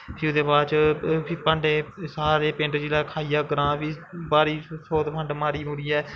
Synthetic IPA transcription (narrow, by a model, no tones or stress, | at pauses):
pʰiːʊd̪eːbaːt͡ʃpʰiːpəɳɖeːsaːɾeːpɪ̃ɳʈd͡ʒiːlaːkʰaːiːaːɡəɾãːpʰiːbaːɾiːsoːt̪pʰəɳɖmaːɾiːmʊɾiːɛː